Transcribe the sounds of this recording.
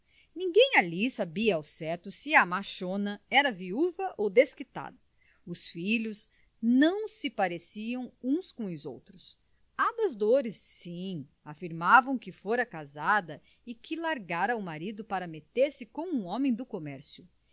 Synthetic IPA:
nĩɡẽj̃alisabiɐawsɛt̪ʊsɪɐmaʃõnɐɛɾɐviuvɐʔowd̪eskit̪a̰d̪ɐ | ʊsfiʎʊz | nɐ̃w̃sɪpaɾesiɐ̃w̃ũskõʊzo̰wt̪ɾʊs | ãbɐzd̪oɾɪsːĩ | afiɾmavɐ̃w̃kɪfoɾɐkazad̪ɐ | ɪkʰɪlaɾɡaɾɐʊmaɾid̪ʊpaɾɐmet̪eɾsɪkõw̃ũõmẽj̃d̪ʊkomɛɾsjʊ

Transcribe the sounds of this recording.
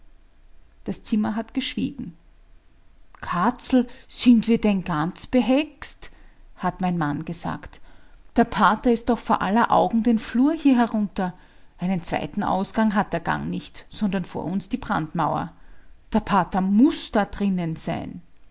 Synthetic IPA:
d̥ast͡sɪmɐɦatɡ̥əʃv̥ḭːɡŋ̩ | kʰat͡sl̩z̥ɪntv̥iːɐdɛnɡant͡sb̥əɦɛksthatmæɪnmanɡ̥əza̰ːktd̥eːɐpʰaːtɐɪst̚dɔxfoːɐʔalɐʔa̰ʊɡŋ̩deːnfluːɐhiːɐɦɛɐʁʊntɐ | ʔæɪnənt͡sv̥æ̰ɪtn̩ʔa̰ʊsɡ̥aŋɦat̚d̥eːɐɡ̥a̰ŋnɪçtsɔndɐnfo̰ːɐʊnsd̥iːbʁa̰ntmaʊɐ̰d̥eːɐpʰaːtɐmʊsd̥aːd̥ʁɪnənz̥aɪn

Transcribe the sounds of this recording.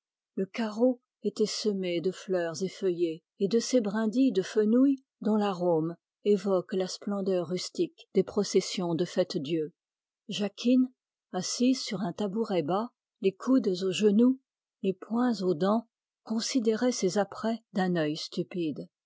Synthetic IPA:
ləkaʁo | et̪ɛsəmed̪əflœʁzefəje | ed̪əsebʁɛ̃d̪id̪əfənuj | d̪ɔ̃laʁom | evɔklasplɑ̃d̪œʁːyst̪ikd̪̥epχɔsɛsjɔ̃d̪əfɛt̪d̪jø | ʒakʲʰin | asizsyʁɛ̃t̪abuʁɛba | lekʰud̪zoʒənu | lepwɛ̃zod̪ɑ̃ | kɔ̃sid̪eʁɛsezapχɛd̪ɛ̃nœjst̪ypid̪

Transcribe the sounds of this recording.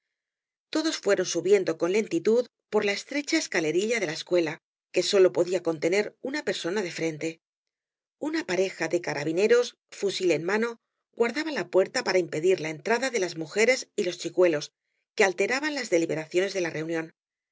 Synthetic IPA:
t̪o̞ðo̞sfwe̞ɾo̞nsuβje̞nd̪o̞ko̞nle̞nt̪it̪uð | po̞ɾlae̞st̪ɾe̞t͡ʃaeskale̞ɾiʎaðe̞laeskwe̞la | ke̞so̞lo̞po̞ðiako̞nt̪ene̞ɾunape̞ɾso̞naðe̞fɾe̞nt̪e̞ | unapaɾe̞xaðekaɾa̰β̞ine̞ɾo̞s | fusile̞nmano̞ | ɣwaɾðaβalapwe̞ɾt̪apaɾaimpe̞ðiɾlae̞nt̪ɾaðaðe̞lazmuxe̞ɾe̞silo̞st͡ʃikwe̞lo̞s | ke̞alt̪e̞ɾaβanlazðe̞liβe̞ɾaθjo̞ne̞zðe̞larʔe̞unjõ̞n

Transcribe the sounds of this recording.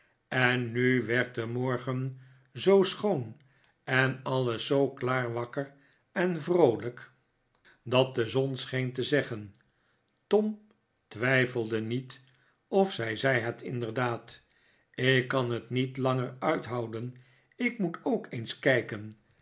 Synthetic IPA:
ɛnːyʋɛɹt̚dəmɔɹχən | zowsχown | ɛnɑlˠəsowklaːɹʋɑkər | ɛnvrowlək | dɑt̚dəzɔnsχejntəzɛχən | tɔm | tʋɛjfəlˠdənit | ɔfsɛjzɛjɦətʰɪ̰ndəɹdaːt | ɪkːɑnɦətnitlɑŋəɹœɥtɦɑwdən | ɪkmutʰowkejnskɛjkən

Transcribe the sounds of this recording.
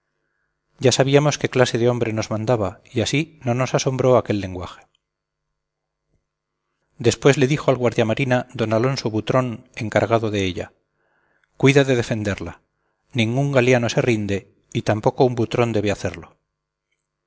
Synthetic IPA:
ɟ͡ʝasaβ̞iamo̞ske̞klase̞ðeo̞mbɾe̞no̞zmãnd̪aβaiasino̞no̞saso̞mbɾo̞ake̞lːe̞ŋɡwaxe̥ | d̪e̞spwe̞zle̞ðixoalɣwaɾðjamaɾinad̪o̞nalo̞nso̞βut̪ɾo̞ne̞ŋkaɾɣ̞aðo̞ðe̞eʎa̰ | kwiðaðe̞ðe̞fe̞nd̪e̞ɾla | nĩŋɡuŋɡaljano̞se̞rind̪e̞ | it̪ampo̞ko̞umbut̪ɾo̞nd̪e̞β̞eaθe̞ɾlo̞

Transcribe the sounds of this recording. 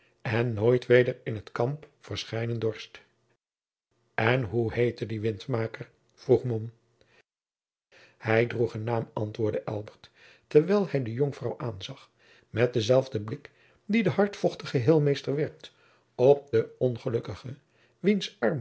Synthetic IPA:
ɛnːoːjtʋejdəɹɪnətkɑmpfəɹsχɛjnəndɔɹst | ɛnɦuhejtədiʋɪntmaːkəɹ | v̥ruχmɔm | hɛjdruχənːaːmɑ̰ntʋʊːɹdəʔɛ̰lˠbəɹt | təɹʋɛjlˠhɛjdəjɔŋfrɑwʔaːnzɑχ | mɛt̚dəzɛlˠvdəblɪk | didəɦɑɹtfɔχtəχəɦɪːlˠmejstəɹʋɛɹk̚t | ɔp̚dəɔnχəlɵkəχə | ʋinsɑɹm

